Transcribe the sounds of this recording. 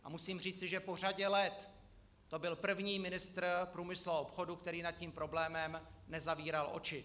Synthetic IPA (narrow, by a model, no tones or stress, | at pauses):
ʔa̰musiːmriːt͡sɪʒɛpo̞r̝aɟɛlɛt̪ː | o̞bɪlpr̩vɲiːmɪnɪst̪ɾpɾuːmɪsluopxo̞dukt̪ɛɾiːnat̪̚ciːmpɾo̞blɛːmɛmnɛzaviːɾalʔo̞̰t͡ʃɪ